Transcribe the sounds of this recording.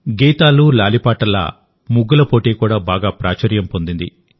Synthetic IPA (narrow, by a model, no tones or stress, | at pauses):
ɡɛːt̪aːlulaːlipaːʈɐlɐ̰ | muɡːɐlɐpo̞ːʈeːkuːɽaːbaːɡaːpɾʔaːt͡ʃɐɾjɐmpo̞nd̪ind̪i